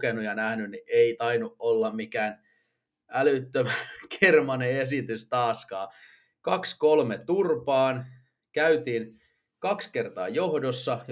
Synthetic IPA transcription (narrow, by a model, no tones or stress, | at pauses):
kenujɑnæhnynniʔeit̪ɑinuʔolːɑmmikæːn | ælyt̪ːømækʰermɑnees̬it̪yst̪ɑːskɑː | kɑkskolmet̪urpɑːn | kæyt̪iːn | kɑkske̞rt̪ɑ̰ːjo̞hdosːɑ